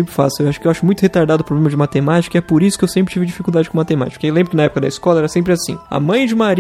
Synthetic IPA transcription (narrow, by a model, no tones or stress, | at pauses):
ẽmpɾɪfasʊewaʃʊ̥kɪewaʃʊmũj̃t̪ʊhet̪aɾd̪ad̪ʊpɾoblẽmɐd͡ʒɪmat̪emat͡ʃi̥kɐɛpoɾisʊkɪewsẽpɾɪt͡ʃivɪd͡ʒifikuwd̪ad͡ʒɪkõmat̪ema̰t͡ʃi̥kɐewlẽmbɾʊkɪnɐɛpʊkɐd̪ɐiskɔlɐɛɾɐsẽmpɾɪasḭ̃ɐ̰mɐ̃j̃d͡ʒɪmaɾ